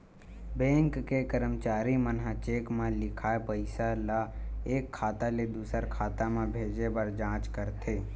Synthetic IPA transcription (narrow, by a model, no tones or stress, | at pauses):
bɛ̃ːŋkːekəɾəmt͡ʃaːɾimənɦat͡ʃeːkmẽlɪkʰaːepəɪsalaeːkʰːaːt̪aled̪uːsəɾkʰaːt̪amẽbʱeːd͡ʒebəɾd͡ʒãːt͡ʃkəɾt̪ʰeː